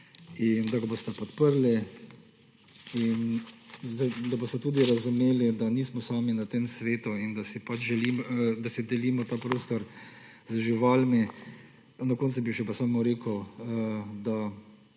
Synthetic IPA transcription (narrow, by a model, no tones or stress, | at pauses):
ind̪aɡabost̪ɛpɔt̪pəɾli | inzad̪abost̪ɛt̪uːd̪iɾazumeːlid̪aniːsmɔsaːminat̪eːmsʋeːt̪uind̪asipat͡ʃʒɛliːmd̪asid̪ɛliːmɔt̪aːpɾoːst̪ɔɾ | zəʒiʋaːlmi | nɔkoːnt̪subiʃɛpasaːmɔɾeːkəəd̪a